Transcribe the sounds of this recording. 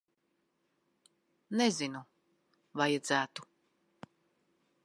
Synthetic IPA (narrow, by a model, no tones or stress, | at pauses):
nezinu | vajad̪zæːt̪u